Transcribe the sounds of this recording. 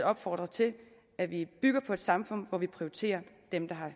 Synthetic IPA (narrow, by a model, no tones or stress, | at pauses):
ɒ̽b̥fɒːd̥ʁɐt͡sʰe̝l | æʋib̥yɡ̥ɐpʰɒ̽e̝d̥sɑ̈mfɔ̽n̰ʋɒʋipʰʁioit͡sʰe̝̰ːɐ | d̥emd̥ɑ̈ɦɑ̈